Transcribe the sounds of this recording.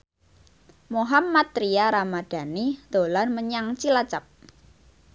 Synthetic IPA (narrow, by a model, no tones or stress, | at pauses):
moɦamːat̪̚ɾiaɾamad̪̥a̤nid̪̥o̤lanməɲaŋt͡ʃilat͡ʃap̚